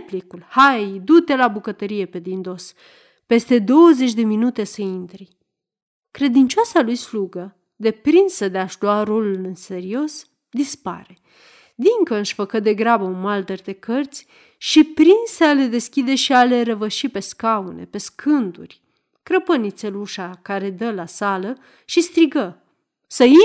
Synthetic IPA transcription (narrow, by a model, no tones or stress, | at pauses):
plikulhajd̪ut̪e̞labukət̪əɾije̞pe̞d̪ind̪o̞s | pe̞st̪e̞d̪o̞wəze̞t͡ʃʲd̪e̞minut̪e̞səint̪ɾi | kɾe̞d̪int͡ʃoasalujsluɡə | d̪e̞pɾinsəd̪eaʃluaɾo̞lulɨnse̞ɾio̞s | d̪ispa̰ɾe̞ | d̪iŋkəɨʃfəkəd̪e̞ɡɾabəunmald̪ərd̪e̞kərt̪sʲ | ʃipɾinsəale̞d̪e̞skʲid̪e̞ʃiale̞ɾəvəʃipe̞skaune̞̰pe̞skʰɨnd̪urʲ | kɾəpənit̪seluʃakaɾe̞d̪əlasalə | ʃist̪ɾiɡə | səi